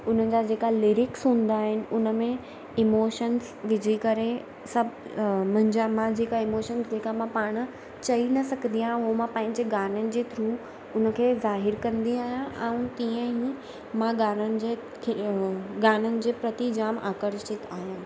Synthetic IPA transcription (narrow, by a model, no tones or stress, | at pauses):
ʊn̤ənɪ̆d͡ʑad͡ʑeːkalɪːɾɪksɦũːn̆d̪aːɦɪnɪ̆ʊnə̆mẽ | ɪmoːʃəns | ʋɪd͡ʑʱikɐɾe | sɐbʱmʊ̃ɦɪ̃ɲd͡ʑamãd͡ʑeːkaɪmoːʃənsd͡ʑeːkamãpaːɽ̃̆ | t͡ɕɐinɐsɐɡʱə̃nd̪ijãʊɦomãpɐ̃ɦɪ̃ɲd͡ʑeɡaːnənɪ̆d͡ʑeːt̪ʰɾuː | ʊnə̆kʰeːzaːɦɪɾkɐ̃nd̪iaːɦjãʔɛ̃ːũt̪ĩə̃ɦi | mãɡaːnənɪ̆d͡ʑe | kʰɡaːnənɪ̆d͡ʑeːpɾɐt̪id͡ʑaːma̰ːkəɾʃɪt̪aːɦjãː